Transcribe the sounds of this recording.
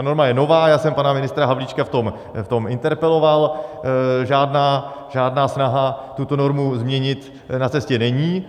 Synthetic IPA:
t̪ano̞ɾmajɛno̞vaːjaːsɛmpanamɪnɪst̪ɾaɦavlit͡ʃkaft̪o̞m | ft̪o̞mʔɪnt̪ɛɾpɛlo̞val | ʒaːdnaː | ʒaːdnaːsnaɦat̪ut̪o̞no̞ɾmuzmɲɛɲɪt̪ | nat͡sɛscɛnɛɲiː

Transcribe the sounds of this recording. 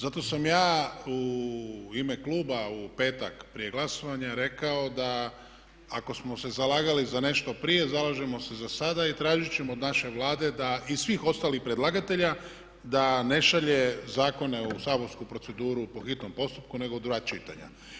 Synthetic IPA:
zat̪o̞samjaːu | ime̞kluːbaupe̞ːt̪akpɾije̞ɡlaso̞ʋaɲaɾe̞kao̞d̪aː | ko̞smo̞se̞zalaːɡalizane̞ʃt̪o̞pɾije̞zalaʒe̞mo̞se̞zasad̪ait̪ɾaːʒit͡ɕe̞mood̪naʃe̞ʋlaːd̪e̞d̪aisʋiːxo̞st̪alixpɾed̪lˠaɡat̪e̞ʎa | d̪ane̞ʃaʎe̞zaːko̞ne̞usaːbo̞ɾskupɾo̞tse̞d̪uːɾupo̞xit̪no̞mpo̞st̪up̚kune̞ɡo̞d̪ɾuat͡ʃit̪a̰ɲa̰

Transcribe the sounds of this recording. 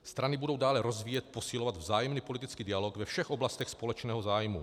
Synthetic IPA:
st̪ɾanɪbudo̞wdaːlɛɾo̞zviːjɛt̪̚po̞silovad̪vzaːjɛmniːpo̞lɪt̪ɪt͡skiːdɪaloɡvɛfʃɛxʔo̞blast̪ɛxspo̞lɛt͡ʃnɛːɦozaːjmṵ

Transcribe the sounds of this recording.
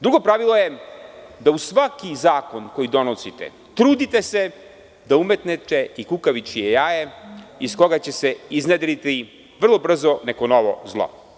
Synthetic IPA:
d̪ɾuɡo̞pɾaʋilˠo̞je | d̪ausʋakizaːko̞nko̞jid̪o̞nosit̪ḛ | t̪ɾuːd̪it̪e̞se̞ | d̪aume̞t̪net̪eikukaʋit͡ʃijejajeisko̞ɡat͡ɕe̞seizned̪lit̪i | ʋr̩lˠobr̩zonekonoʋo̰zlˠo̰

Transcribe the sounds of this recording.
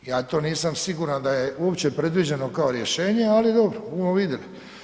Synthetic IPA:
jaːt̪o̞ːniːsamsiɡuɾand̪aje̞uopt͡ɕe̞pɾe̞d̪ʋid͡ʑe̞no̞kaoɾje̞ʃe̞ːɲe̞alid̪o̞bɾobumoʋid̪jeli

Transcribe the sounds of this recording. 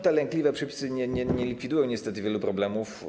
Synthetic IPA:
t̪ɛlɛŋklʲivɛpʂɛpʲi̥sɘɲɛɲɛɲɛlʲikfʲid̪ujɔ̃w̃ɲɛst̪ɛt̪ɘvʲjɛlupɾɔblɛmuf

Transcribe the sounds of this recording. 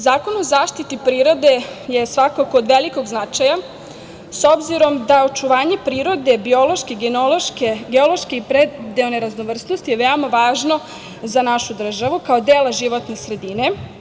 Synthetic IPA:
zaːkono̞zaːʃt̪it̪ipɾiːɾo̞d̪e̞je̞sʋakakoːd̪ʋeliko̞ɡznat͡ʃaja | so̞bziɾo̞md̪aot͡ʃuʋaːɲe̞pɾiːɾo̞d̪e̞bio̞lo̞ʃkeiɡenoloʃkeɡeolo̞ʃkeipɾed̪eoneɾaznoʋr̩snost̪ijeʋeomaʋaːʒno̞ | zanaʃud̪r̩ʒaʋukao̞d̪eːlaʒiʋo̞t̪ne̞sɾe̞d̪ine̞

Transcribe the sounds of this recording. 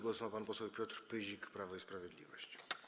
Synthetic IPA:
ɡwɔsumapanpɔsɛwpʲjɔt̪ɾpɘʑikpɾavɔispɾavʲjɛd̪lʲḭvɔ̰ɕt͡ɕ

